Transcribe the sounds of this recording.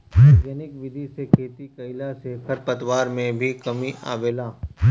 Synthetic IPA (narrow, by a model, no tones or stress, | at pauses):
ɡɐnɪkʋɪd̪ʱisekʰeːt̪ikɐɪlasekʰəɾpɐt̪ʋaːɾmẽbʱikɐmiʔa̰ːʋeːlaː